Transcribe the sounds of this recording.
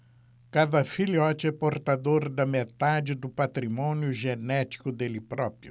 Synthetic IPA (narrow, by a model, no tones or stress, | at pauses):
kad̪ɐfiliɔt͡ʃɪɛpoɾt̪ad̪oɾd̪ɐmet̪ad͡ʒɪd̪ʊpat̪ɾimɔ̃njʊʒenɛt͡ʃ̪i̥kʊd̪elɪpɾɔpɾjʊ